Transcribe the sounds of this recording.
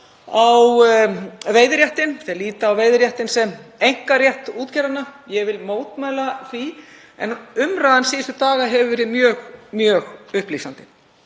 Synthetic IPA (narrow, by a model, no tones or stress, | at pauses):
aw | vejðɪɾjɛht̪ɪnθɛaliːt̪aːwveːjðɪɾjɛht̪ɪnsɛmejŋ̥karjɛht̪uːt̪cɛɾanːajɛvɪlmoːwt̪maːjlaθvi | ɛ̰nʏmɾaːðansiːðɪst̪ʏt̪aːɣaɦɛvvɛːɾɪmjœːɣmjœːɣʏhpliːsant̪ɪ̥